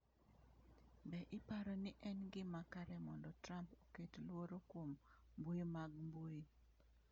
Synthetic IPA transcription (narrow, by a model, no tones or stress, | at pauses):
bɛʔɪpaɾɔnɪʔɛnɡɪmakaɾɛmɔndɔtɾampoketlwoɾokwommbuimaɡmbui